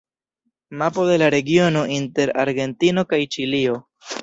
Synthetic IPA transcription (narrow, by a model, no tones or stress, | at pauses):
mapo̞de̞laɾe̞ɡio̞no̞ʔinte̞ɾaɾɡe̞ntino̞kajt͡ʃilio̞